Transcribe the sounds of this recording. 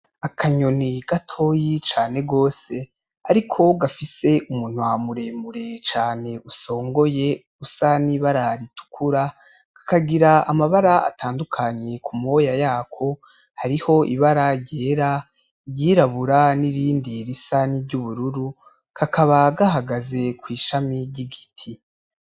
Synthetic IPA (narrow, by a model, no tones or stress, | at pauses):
akʰaɲo̞niɡatʰo̞jit͡ʃaːne̞ɡo̞ːse̞ | aɾikʰo̞ɡafise̞ʔumun̥wamuɾe̞muɾe̞t͡ʃaːne̞uso̞ːŋɡo̞je̞ | usaniβaɾaɾitu̥kʰuɾa | ɡ̥ḁkaɡiɾaamaβaɾaa̰taːndukʰaɲe̞kʰumo̞jajaːkʰo̞ | haɾiho̞ʔḭβaɾaɟe̞ːɾa | jiːɾaβuɾaniɾiːndiɾisaniɾɟuβuɾuɾu | kʰakʰaβaɡaɦaɡaze̞kwiːʃamiɟiɡitʰi